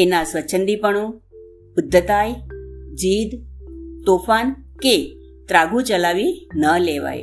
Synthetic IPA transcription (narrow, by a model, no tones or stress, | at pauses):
enasʋət͡ʃʰənd̪ipəɳo | pʊd̪ʱːət̪ajd͡ʑiːd̪t̪ofanke | t̪ɾaɡũt͡ʃəlaʋinəleʋa̰j